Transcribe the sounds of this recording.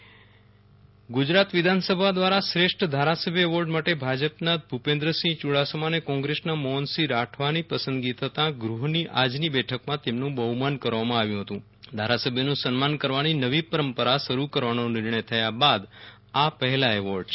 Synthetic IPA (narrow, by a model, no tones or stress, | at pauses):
ɡud͡ʒɾat̪ʋɪd̪ʱansəbʱad̪ʋaɾasɾeʂʈd̪ʱaɾasəbʱjəɛʋoɾɖmaʈebʱad͡ʒəpnat̪̚bʱupẽnd̪ɾəsĩt͡ʃuɽasəmanekɔ̃ŋɡɾesnamɔɦənsiɾaʈʰʋanipəsə̃nd̪ɡit̪ʰət̪ãɡɾuɦniʔad͡ʒnibɛʈʰəkmãt̪emnũbəɦumankəɾʋamãaʋjũɦət̪ũ | d̪ʱaɾasəbʱjənũsənmankəɾʋaninəʋipəɾəmpəɾaʃəɾukəɾʋanonɪɾɳəjt̪ʰəjabad̪ | apəɦɛlaɛʋoɾɖ